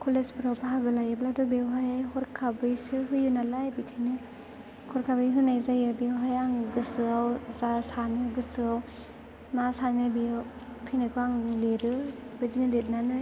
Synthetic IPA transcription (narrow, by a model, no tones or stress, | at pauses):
kʰolesbɾawpaɦaɡɯlajɯbladɔbewɦajhɔɾkʰabɯjsɯɦɯjunalajbitʰajnɯ | kʰɔɾkʰabɯjɦɯnajzajɯbewɦajaŋɡɯsɯawzasanɯɡɯsɯaw | masanɯbi | pʰenakʰɔaŋleɾɯbed͡ʒinɯlet̚nanɯ